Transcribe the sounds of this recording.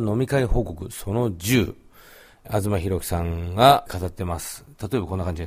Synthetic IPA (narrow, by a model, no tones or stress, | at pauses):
no̞mʲikaiho̞ːko̞kɯ̟so̞no̞d͡ʑɨː | azɨmaçiɾo̞kʲi̥sãŋɡakat̪at̪ːe̞masɨ̥t̪at̪o̞e̞bako̞nːakãɲ̟d͡ʑid̪e